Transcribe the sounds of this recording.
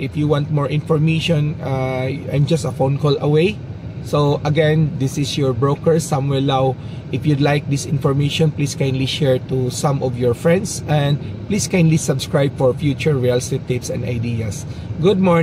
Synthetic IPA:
ʔɪfjuwãnt̪̚mɔɹʔɪ̃nfɔɹmeɪʃɔ̃naʔajmd͡ʒɐst̪ɐfõnkolɐweɪ | soʔɐɡɛ̃nd̪ɪsɪsjɔɹbɹokɛɹsãmwɛɹnaw | ʔɪfjud̪lajk̚d̪ɪsɪ̃nfɔɹmejʃɔ̃npliskãjnliʃɛɹt̪usãmɔvjɔɹfɹɛ̃nd̪sʔɛ̃nd̪̚pliskãjnlisɐbskɹajb̚fɔɹfjut͡ʃʊɹɹialstit̪ɪpsɛ̰̃nd̪a̰jd̪iasɡʊd̪̚mɔ

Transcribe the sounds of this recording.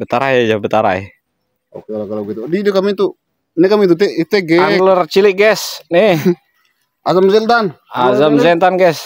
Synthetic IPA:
bət̪aɾajad͡ʒabət̪aɾa̰ɛ̰ | o̰kekalakaloɡit̪udidukamit̪u | nɛkamit̪ut̪ɛit̪eɡɛalərt͡ʃiliɡɛsni | ʔazamzɛnt̪anazamzɛnt̪anɡɛs

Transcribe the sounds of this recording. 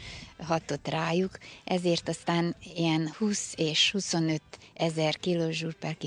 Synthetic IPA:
ɦɒt̪o̞t̪raːjukʔɛzeːrt̪ɒst̪aːnijɛnhuːseːʃhuso̞nø̞t̪ɛzɛrkiloːʒurpɛlki

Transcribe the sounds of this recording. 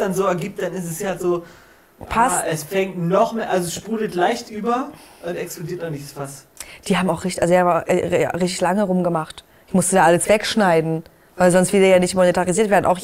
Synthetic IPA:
d̥anzoːɛɐɡiːp̚t̚d̥anɪstɛsjazoː | pʰasɛsfɛŋtnɔχmeʔalzoɛsʃpuːdl̩tlaɪçtʔyːbɐʔʊntɛksplodiːɐtnɔχnɪçtsfas | d̥iːhaːbm̩aʊxʁ̥ɪçtɪ̥ʔalzihabʔa̰ʁɪçtɪçlaŋəʁʊmɡəmaχt | ɪçmʊstədaːʔaləsv̥ɛkʃnaɪdn̩ | vaɪlzɔnstv̥ɪldeːɐjaːnɪçtmonetʰaʁiziɐtv̥eːɐdn̩ʔa̰ʊx

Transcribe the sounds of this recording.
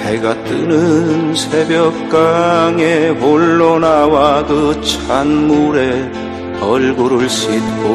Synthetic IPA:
heɡat͈ɯnɯnsʰe̞bjʌk̚k͈aŋemoɭːonawadot͡ɕʰanmuɾe̞ | ʌɭɡuɾuɭɕ͈it̚ko

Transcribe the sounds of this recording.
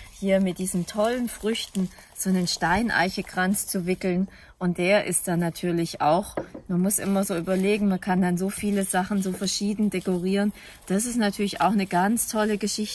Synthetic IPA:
hiːɐmɪt̚d̥iːzən̩tʰɔlənfʁ̥ʏçtn̩ | z̥oːnənʃtaɪnʔa̰ɪçəɡʁ̥ant͡st͡suvɪkl̩n | ʔʊnt̚d̥eːɐʔɪ̰st̚d̥anːatʰyːɐlɪçaʊxmanmʊsʔɪ̰mɐzoːʔyːbɐleːɡŋ̩mankʰandanzoːfiːləzaχn̩zoːfɛɐʃiːdn̩dekoʁiːʁən | d̥as̬ɪstnatʰyːɐlɪça̰ʊxnəɡant͡stʰɔləɡəʃɪçtə

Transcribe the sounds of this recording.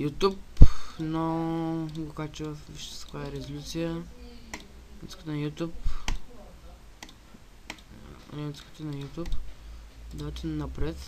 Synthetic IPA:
jut̪upno | ɡokat͡ʃɛvɐfviʃt̪sə̥kaɛɾɛzolʲut̪sijə | jut̪skət̪njut̪ʲup | t̪skə̥t̪ənɐjut̪ʲup | d̪at̪ɛnnɐpɾɛt̪

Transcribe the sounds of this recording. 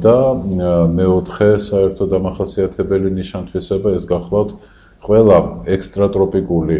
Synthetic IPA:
d̪̥a | mɛɔt̪ʰχɛsaɛɾt̪ʰɔd̪amaχasiat̪ʰɛbɛliniʃant̪ʰwisɛbaɛsɡaχlˠaft̪ʰ | qʼwɛlˠaɛkst̪ʼɾat̪ʼɾɔpʼikʼuli

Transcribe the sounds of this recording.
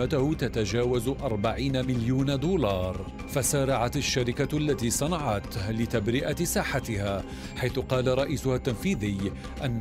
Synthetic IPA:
at̪ʊhʊt̪at̪ad͡ʒaːwazʔɑɾˤbaʕiːnamɪljuːnd̪uːlɑːɾˤ | fasaːɾˤɑʕat̪aʃːaɾɪkaʔlːat̪iːsˤɑnɑʕat̪lɪt̪abɾɪʔasaːħat̪ɪhaː | ħajθʊqɑːlaɾˤɑʔiːsʊhat̪ːanfiːðɪj | ʔanː

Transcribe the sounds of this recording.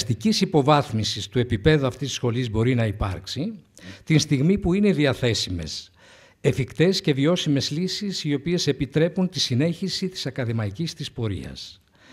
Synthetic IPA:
st̪icisipo̞vɐθmisist̪ue̞pipe̞ðuɐft̪isisxo̞lizbo̞ɾinɐipɐ̰ɾksit̪inst̪iɣmipuine̞ðiɐθe̞sime̞̰s | efikt̪e̞sce̞vio̞sime̞zlisisio̞pie̞se̞pit̪ɾe̞punt̪isine̞çisit̪i̥sɐkɐðimɐicist̪ispo̞ɾḭɐ̰s

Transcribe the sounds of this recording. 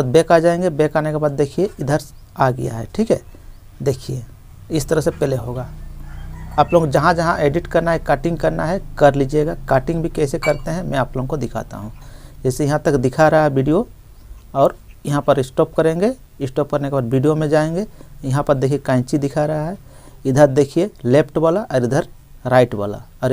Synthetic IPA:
d̪̚beːkad͡ʒaːẽŋɡebeːkaːnekebaːd̪̚ːeːkʰieɪd̪ʱəɾs | aɡɐ̰ja̰ɦɛ̰ʈʰiːkɦɛ | d̪eːkʰie | ɪst̪əɾəɦsepɛːleɦoːɡaː | aːploɡd͡ʒɐɦãd͡ʒɐɦãʔeːɖɪʈkɐɾnaɦɛkaːʈɪ̃ŋɡkɐɾnaɦɛkɐɾlid͡ʒeɡakaːʈɪ̃ŋɡbʱikɛːsekɐɾt̪eɦɛ̃mɛ̃aːploːɦõkod̪ɪkʰa̰ːt̪a̰ɦũd͡ʒɛːsejɐɦãt̪ɐkd̪ɪkʰaɾɐɦaɦɛbʱiɖijo | ɔːɾjɐɦãpəɾɪsʈoːpkəɾẽːŋɡe | ɪsʈoːp̚kɐɾnekebaːɾbʱiːɖijomẽd͡ʒaːẽŋ̆ɡejɐɦãpɐɾd̪eːkʰiekaːɪ̃t͡ʃid̪ɪkʰaɾɐɦaɦɛ | ɪd̪ʱəɾd̪eːkʰieleːpʰʈbalaʔɔːɾɪd̪ʱəɾ | ɾaːɪʈba̰ːla̰ | ɔːɾ

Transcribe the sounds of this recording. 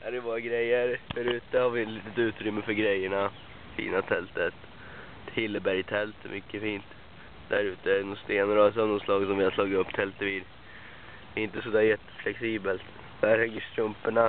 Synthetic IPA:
æd̪ɛbɑːɾaɡɾɛjːəɾfæɾʉ̟ːt̪əhaɾvɪt̪liːt̪ət̪ʉ̟ːt̪ɾʏmːəfœɾɡɾɛjːəɳa | fḭːnat̪ʰɛlt̪ət̪ | hɪlːəbæɾjt̪ʰɛlt̪mʏkːəfiːnt̪ | d̪̥æɾʉ̟ːt̪əɛɛnʊst̪eːnəɾɔs̬ɔmnɔslɑːɡsɔmʋɪhaʂlɑːɡɪt̪ɵpːt̪ʰɛlt̪əʋiːɾ | ɛɪnt̪əsɔd̪æːɾjɛt̪ːə̥flɛksiːbəlt̪ | væɾhɛɡəʂt̪ɾɵmpəɳa

